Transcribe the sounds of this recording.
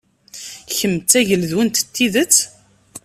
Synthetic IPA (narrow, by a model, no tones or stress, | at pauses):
çəmːt͡sːæʝəlðwənt̪ət̪ːiðət͡sː